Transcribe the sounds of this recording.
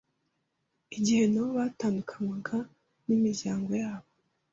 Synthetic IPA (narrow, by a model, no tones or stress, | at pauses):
iɟihe̞noβataːndukʰanwaɡa | nimiɾɟaːŋɡo̞jaːβo